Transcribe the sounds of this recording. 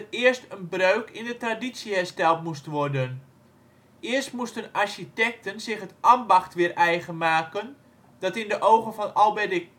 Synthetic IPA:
ətɪərstənbrøɥkʰɪndətradisjəɦɛrstɛlˠtmustʋɔrdən | ɪəstmustənarʃitɛk̚tənzɪχɦətʔambaxtʋɪəɾʔɛjɣənmaːkən | dɑtɪndəʔowχənfɔnɑlˠbɛdɪ

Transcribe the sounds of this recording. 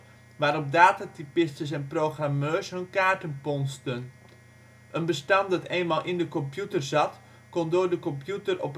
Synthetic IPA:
ʋaːɾɔp̚daːtatipɪstəsɛnprowχramøːsɦɵnkaːɹtənpɔnstən | ʔənbəstɑndɑteːnmaːlˠʔɪndəkɔmpjutərzɑt | kɔndoːɹdəkɔmpjutərɔ̰p

